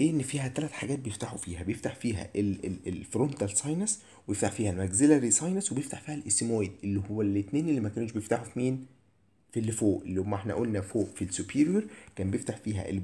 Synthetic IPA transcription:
ʔenːfiːɦæt̪ælæt̪ħaɡæːt̪̚bejeft̪aħufiːɦæbejeft̪aħfiːɦæ̰ʔeleelfɾont̪ælsˤɑjnɑs | wejeft̪aħfiːhælmæɡzelæɾisˤɑjnɑswebjeft̪aħfiːhælʔesemoed̪ʔelːihowːælːet̪neːnelːimækæːnuʃbejeft̪aħufimiːn | filːfoːʔelːiomːæʔeħnæ̰ʔoːlnæfoːʔfilsupʰiːɾjoɾˤkæːmbejeft̪aħfiːɦæ̰ʔḛl

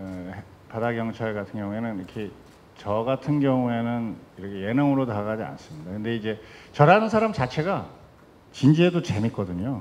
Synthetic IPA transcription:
padaɡjʌŋt͡ɕʰaɭɡatʰɯnɡjʌŋue̞nɯniɾʌkʰe̞ | t͡ɕʌɡatʰɯnɡjʌŋue̞nɯniɾʌkʰe̞je̞nʌŋɯɾotaɡad͡ʑia̰ns͈ɯmɲidakɯnde̞id͡ʑe̞t͡ɕʌɾɦanɯnsʰaɾamt͡ɕat͡ɕʰe̞ɡa | t͡ɕind͡ʑiedot͡ɕe̞mik͈ʌdɯɲo

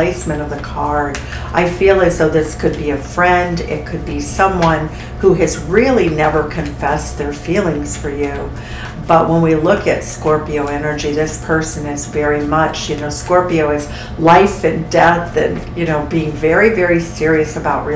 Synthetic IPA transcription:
eɪsmɨ̃ɾ̃ʌvðɨkʰɑɹ | ʔaɪfilˠɨzðoʊðɪskʰɨd̚biɨfɹɛ̃ndɪ̰t̚kʰɨd̚bisʌ̃mwʌ̃n | huɨzɹɪlˠinɛvə˞kʰɨ̃ɱfɛsðə˞filˠɪ̃ŋz̥fə˞jʉ | b̥ʌʔ̚wə̃nwilʊkɨtskɔɹpioʊɛnə˞d͡ʒiðɪspʰɜ˞sɨ̃nɪzvɛɹimʌt͡ʃjɨnoʊskɔɹpioʊɨz̥ | laɪfɨ̃ndɛθɨ̰̃njɨnoʊbiɪ̃ŋvɛɹivɛɹisɪɹiɨsəbaʊʔ̚ɹi

